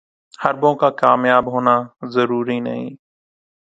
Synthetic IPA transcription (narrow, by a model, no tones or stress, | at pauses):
həɾbõːkaːkaːmjaːbɦoːnaːzəɾuːɾiːnə̰ɦḭ̃ː